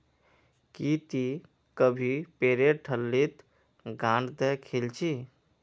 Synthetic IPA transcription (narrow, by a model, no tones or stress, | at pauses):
kit̪i | kəbʱipeːɾeʈʰəlːit̪ | ɡãːɳɖd̪ekʰelt͡ʃʰi